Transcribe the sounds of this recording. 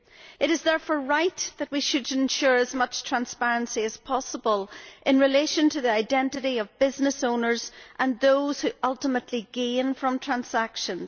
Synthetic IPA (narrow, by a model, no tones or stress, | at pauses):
ɨɾɨzðɛɹfɔɹɹaɪt̪ðət̚wiʃɨdɪ̃nʃʊɹəzmʌt͡ʃtʰɹ̥ãnspɛɹə̃nsiɨz̥pʰɔsəbəlˠʔɪ̃nɹɪleʃə̃ntʰɨðiaɪdɛ̃ntɨɾiʌvbɪznɨsõʊ̃nə˞zʔə̃nðoʊz̥hʉʔʌlˠtəmətʰˡliɡẽnfɹʌ̃mtʰɹ̥ãnsakʃə̃nz